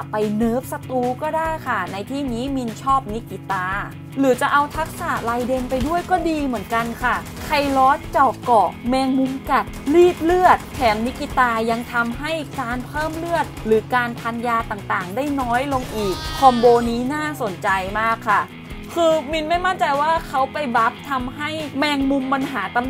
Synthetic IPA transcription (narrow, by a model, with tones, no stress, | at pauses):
pːa˧jnɤː˦˥p̚sa˧t̪uː˧˥kɔː˥˩daː˥˩jkʰa˥˩na˧jt̪ʰiː˥˩niː˦˥mi˧nt͡ɕʰɔː˥˩p̚ni˦˥kːi˧t̪aː˧ | lɯː˩˦t͡ɕa˨˩ʔa˧wt̪ʰa˦˥k̚saː˨˩laː˧jde˧npa˧jdu˥˩əjkɔː˥˩diː˧mɯ˩˦ənka˧nkʰa˥˩ | kʰa˧jlɔː˦˥t͡ɕɔː˨˩p̚kɔː˨˩k̚mɛː˧ŋmu˧˥mka˨˩t̪̚liː˥˩p̚lɯ˥˩ət̪̚kʰɛː˩˦mni˦˥kːi˨˧t̪aː˧ja˧ŋt̪ʰa˧mɦa˥˩jkaː˧npʰɤː˥˩mlɯ˥˩ət̪̚lɯː˩˦kaː˧npʰa˧njaː˧t̪aː˨˩ŋt̪aː˨˩ŋdaː˥˩jnɔː˦˥jlo˧ŋʔiː˨˩k̚ʰːɔː˧mboː˧niː˦˥naː˥˩so˨˩˦nt͡ɕa˧jmaː˥˩kʰːa˥˩ | kʰɯː˧mi˧nma˥˩jma˥˩nt͡ɕa˧jwaː˥˩kʰa˦˥wpa˧jba˦˥p̚t̪ʰa˧mɦa˥˩jmɛː˧ŋmu˧mpa˧nɦaː˩˦t̪a˧m